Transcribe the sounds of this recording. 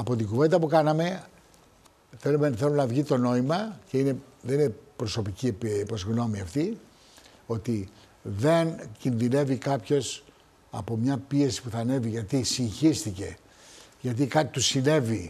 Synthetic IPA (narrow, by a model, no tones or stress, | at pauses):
ɐpo̞t̪̬iɡuve̞nd̪ɐpukɐnɐme | θe̞lumenθe̞lumnɐvʝit̪o̞no̞imɐceine̞ðeninepɾo̞so̞picippozɣno̞miɐft̪i | o̞t̪i | ðe̞ncinðine̞vikɐpço̞s | ɐ̰po̞mɲɐpie̞si̥puθɐne̞viʝɐt̪isiɲçist̪ice̞̰ | ʝɐt̪̬ikɐt̪it̪usine̞vi